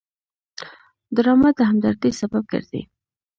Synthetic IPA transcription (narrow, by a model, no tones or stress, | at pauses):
d̪ɾɑmat̪̚d̪əɦamd̪aɾt̪isabab̚ɡə̰ɾd̪ḭ